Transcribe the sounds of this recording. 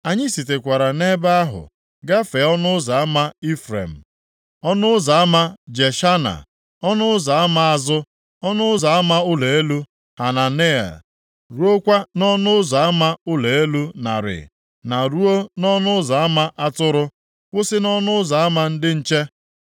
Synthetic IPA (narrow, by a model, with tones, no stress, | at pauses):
a˨ɲɪ˦si˨te˨kʷa˨ɾa˨ne˦ba˦a˦ɦʊ̰˨ | ɡa˦fe˨˦ɔ˦nʊ˦za˨a˦ma˦i˦fɾḛ˨m̩˨ | ɔ˦nʊ˦ʊ˦za˨a˦ma˦d͡ʒe˨ʃa˦na̰˨ | ɔ˦nʊ˦ʊ˦za˨a˦ma˦a˨zʊ˦ | ɔ˦nʊ˦ʊ˦za˨a˦ma˦ʊ˦le˨e˦lu˦ | ha˨na˨ne˦a̰˨ | ɾu˦o˦kʷa˦nɔ˦nʊ˦ʊ˦za˨a˦ma˦ʊ˦le˨e˦lu˦na̰˨ɾɪ̰˨ | na˨ɾu˦o˦nɔ˦nʊ˦za˨a˦ma˦ʔa˦tʊ˦ɾʊ˦ | kʷʊ˦sɪ˦nɔ˦nʊ˦ʊ˦za˨a˦ma˦n̩˦dɪ˦n̩˦t͡ʃe˦